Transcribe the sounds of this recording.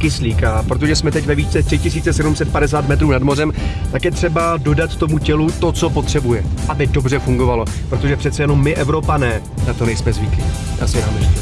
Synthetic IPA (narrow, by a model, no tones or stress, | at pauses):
kɪsliːkapɾo̞t̪̬oʒɛsmɛt̪ɛcvɛviːt͡sɛt̪r̥ɪcɪsiːt͡sɛsɛdumsɛt̪̚padɛs̬aːt̪mɛt̪ɾuːnadmo̞rɛmt̪akjɛt̪r̝̥ɛbado̞dat̪t̪o̞mucɛlut̪o̞t͡so̞po̞t̪r̝̥ɛbujɛʔabɪdo̞br̝ɛfuŋɡo̞valo̞ | pɾo̞t̪o̞ʒɛpr̥ɛt̪t͡sɛjɛno̞mːɪʔɛvɾo̞panɛː | nat̪o̞nɛjsmɛzvɪklɪja̰ːsɪdanɛʃɛ